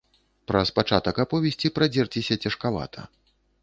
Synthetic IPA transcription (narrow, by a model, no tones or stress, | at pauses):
pɾɐspat͡ʂat̪ɐkapɔvʲɛsʲt͡sʲipɾad͡zʲɛrt͡sʲisʲɐt͡sʲɐʂkava̰t̪ʰɐ̰